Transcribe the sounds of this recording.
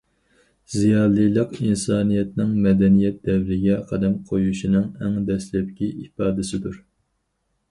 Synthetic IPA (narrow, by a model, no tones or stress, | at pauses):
zijɑːlˠilˠəqinsɑːnijɛt̪̚nɪŋmɛd̪ɛnijɛt̪̚d̪ɛvɾɪɡʲɛqʰæd̪ɛmqʰojuʃinɨŋɛŋd̪ɛslɛp̚kʲiʔifɑːd̪ɪsɪd̪uɾ